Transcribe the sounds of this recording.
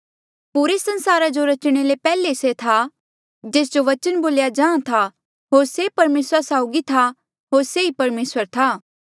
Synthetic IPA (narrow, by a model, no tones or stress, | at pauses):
puːɾesɐ̃nsaːɾad͡ʒoɾɐt͡ʃɽ̃elepɛːleset̪ʰa | d͡ʒeːs̬d͡ʒoʋɐt͡ʃənboːljad͡ʒãːãt̪ʰa | ɦoːɾsepɐɾmeːsɾasaːʊɡit̪ʰa | ɦoːɾseipɐɾmeːswəɾt̪ʰaː